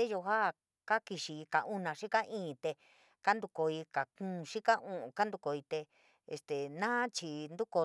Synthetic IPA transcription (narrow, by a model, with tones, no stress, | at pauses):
e˦ʒo˧ɦa˦˨ | ka˦ki˧ʃi˧ka˨ʔũ˦nã˨˧ʃi˦ka˦ʔĩː˦˨˧t̪e˧ | ka˦nd̪u˧ko˧i˧ka˨kũː˦˨ʂi˦ka˦ʔũ˦˧ka˦nd̪u˧ko˧˨i˧t̪e˧ | ḛ˧st̪e˨nã˦t͡ʃi˧nd̪u˦ko˧